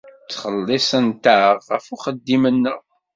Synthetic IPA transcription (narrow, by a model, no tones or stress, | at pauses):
t͡sːχəlːɪsˤənt̪aʁʁəfuχəd̪ːimənːəʁ